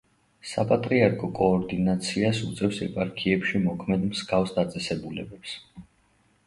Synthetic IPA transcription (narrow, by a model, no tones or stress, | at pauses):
sapʼat̪ʼɾiaɾkʰʼɔkʼɔːɾd̪inat̪sʰiasut̪sʼɛfsɛ̰pʼaɾkʰiɛpʃimɔkʰmɛd̪mzɡafsd̪at̪sʼɛsɛbulɛ̰bɛps